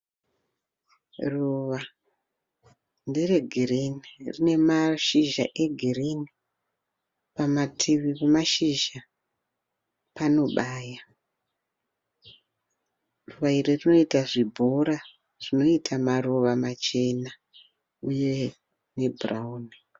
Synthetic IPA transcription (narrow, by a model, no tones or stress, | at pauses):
ruʋa | ndireɡʱirinirine̞maʃiʒaʔe̞ɡʱirini | pamatʰiʋipamaʃiʒa | pano̞ɓaːja | ruʋairirino̞itaʐibʱo̞ɾa | ʐ̥ino̞itʰamaruʋamat͡ʃe̞na | uje̞ | ne̞brauni